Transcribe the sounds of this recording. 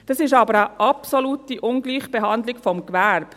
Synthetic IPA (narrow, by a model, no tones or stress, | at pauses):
d̥ɑsɪʃɑːbəɾəʔɑpsoluːtiʔʊnɡliːχb̥eɦɑnd̪lɪɡfɔmkʋæɾb̥